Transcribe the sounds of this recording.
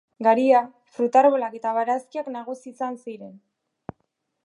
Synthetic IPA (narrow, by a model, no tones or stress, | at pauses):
ɡaɾia | fɾut̪aɾβolake̞t̪aβaɾaskiaknaɣ̞usiːsansiɾe̞n